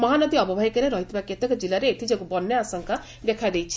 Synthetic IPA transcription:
mɔɦanɔd̪iɔbɔbʱajkeɾeɾɔɦit̪bakjet̪ɔkɔd͡ʒilaɾeːt̪ʰid͡ʒekubɔnːeasɔŋka | bekʰad̪ejt͡ʃʰi̥

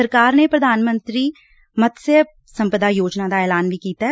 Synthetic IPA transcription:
əɾkaːɾneːpɾəd̪ʱaːnmə̃nt̪ɾiː | mət̪se | sə̃mpəd̪aːjoːd͡ʒnaːd̪aːɛːlaːnʋiːkiːt̪a

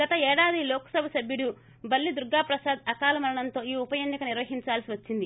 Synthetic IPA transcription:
ɡɐt̪ɐɛːɽaːd̪ilɔːkɐ̥sɐbɐsɐbjuɽu | bɐlːid̪uɾɡaːpɾɐsaːd̪ɐkaːlɐmɐlɐɳɐnt̪oːiːupɐjenːikɐniɾʋɐɦiɲt͡ʃaːlsiʋɐt͡ʃːind̪i

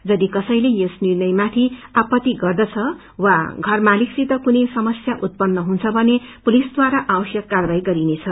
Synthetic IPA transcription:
d͡zʌd̪ikʌsʌjlejosnirnʌjmat̪ʰiapʌt̪ːiɡʌrd̪ʌt͡sʰʌ | waɡʱʌrmaliksit̪ʌkunʌjsʌmʌsjaʔut̪̚pʌnːʌɦunt͡sʰʌbʱʌnepulisd̪waɾaʔabʌsjʌkːarbajɡʌɾinet͡sʰʌ

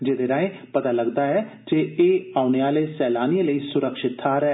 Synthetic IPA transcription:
d͡ʒeːd̪eɾaːẽːpət̪aːləɡd̪aːɛː | d͡ʒeeːaːʊneaːleːsɛːlaːniẽləiːsʊɾəkʃɪt̪ʰːaːɾɛː

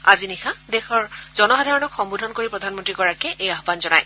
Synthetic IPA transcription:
azinixadexɔɹzɔnɔxadʱaɹɔnɔkxɔmbudʱɔnkoɹipɹɔdʱanmɔntɹiɡɔɹakɛʔejaɦɔbanzɔnaj

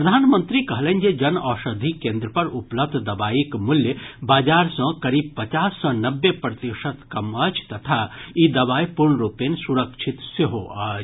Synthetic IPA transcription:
pɾəd̪ʱaːnmə̃nt̪ɾikɐɦlend͡ʒed͡ʒɐnɔːʃəd̪ʱikẽːnd̪ɾəpɐɾupləb̚d̪ʱd̪ɐbaːikmuljəbaːd͡ʒaːɾsə̃kɐɾib̚pɐt͡ʃaːsːɔ̃nɐbːepɾət̪iʃət̪kɐmɐd͡ʒt̪ɐt̪ʰaid̪ɐbaːipuɾɳɾupensuɾəkʃʰit̪seɦoa

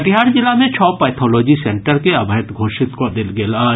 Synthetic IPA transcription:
ʈ̪ɪɦaːɾd͡ʒɪlamẽt͡ʃʰɔːpɛːt̪ʰɔːlɔːd͡ʒisẽɳʈəɾkeɐbʱəət̪ɡʱoːʃɪt̪kod̪ɪlɡelaː

